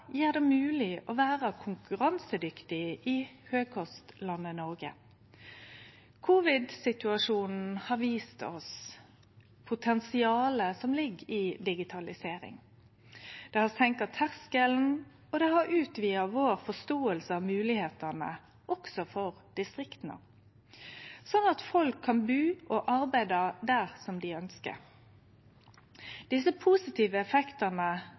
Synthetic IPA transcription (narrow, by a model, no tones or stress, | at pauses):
jiːʁd̪ɛmʉːlɪʔɔʋæːʁəkʰʊŋkʉʁɑnsəd̪ʏkt̪ɪɪhøːɡ̚kʰɔst̪lɑnːənɔʁɡə̰ | kʰuʋɪd̪sɪt̪ʉɑʂuːnn̩n̩hɑʁʋiːst̪ɔ̰s | pʰʊt̪ʰɛnsɪɑːləsɔmlɪɡːɪd̪ɪɡɪt̪ʰɑlɪseːɾɪ̰ŋ | d̪̥ɛhɑsɛŋkət̪ʰæʁskəln̩ | ɔd̪ɛhɑɾʉːt̪ʰʋiːəʋoːʁfɔst̪oːəlsəɑːʋmʉːlɪheːt̪ənə̰ | ʔɔksɔfɔʁd̪̥ɪst̪ʁɪkt̪nə̰ | sɔnːɑt̪fɔlkʰːɑnbʉːʔɔʔɑʁbæɪd̪ɑd̪æʁsɔmd̪ɪœnskə̰ɾ | d̪̥ɪsəpʰusɪt̪ʰiːʋəɛfɛkt̪ənə